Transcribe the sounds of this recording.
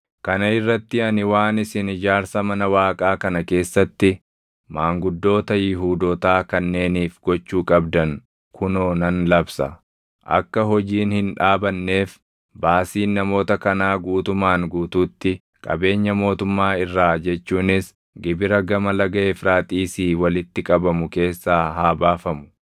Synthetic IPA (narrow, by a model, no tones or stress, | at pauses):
kɐnɐɪrːɐt̪ːɪɐnɪwaːnɪsɪnɪd͡ʒaːɾsɐmɐnɐwaːkʼaːkɐnɐke̞ːsːɐt̪ːɪ | maːŋɡʊd̪ːo̞ːt̪ɐjɪɦuːd̪oːt̪aːkɐnːe̞ːniːfɡɔt͡ʃːuːkʼɐbd̪ɐŋ | kʰʊnoːnɐnlɐbsɐ̰ | ʔɐ̰kːɐɦɔd͡ʒiːnhɪnᶑaːbɐnːe̞ːf | baːsiːnnɐmo̞ːt̪ɐkɐnaːɡuːt̪ʊmaːŋɡuːt̪uːt̪ːɪ | kʼɐ̰be̞ːɲːɐmo̞ːt̪ʊmːaːɪrːaːd͡ʒɛt͡ʃːuːnɪs | ɡɪbɪɾɐɡɐmɐlɐɡɐeːfɾaːt̪ʼiːsiːwɐlɪt̪ːɪkʼɐbɐmʊke̞ːsːaːɦaːbaːfɐmʊ̥